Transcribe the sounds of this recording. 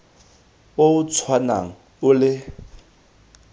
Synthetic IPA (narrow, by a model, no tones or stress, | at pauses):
oʊt͡sʰwana̰ŋ̩ | ʊlɪ